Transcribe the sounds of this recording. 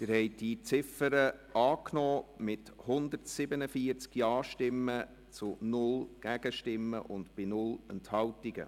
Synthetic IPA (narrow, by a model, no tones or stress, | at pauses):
tɪɾhɛɪd̥it͡sɪfəɾəɑːknɔːmɪthʊnd̪əɾtsɪbənəfiəɾt͡skjɑːʃtɪmːə | t͡sʊnʊlɡ̥æɡ̥əʃtɪmːə̰ʔʊntb̥ɪnʊlənthɑwtiɡə̰